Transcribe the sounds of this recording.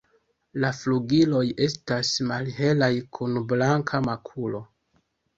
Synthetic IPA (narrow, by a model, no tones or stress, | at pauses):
lafluɡilo̞je̞stasmalhe̞lajkʰunblaŋkʰamakʰulo̞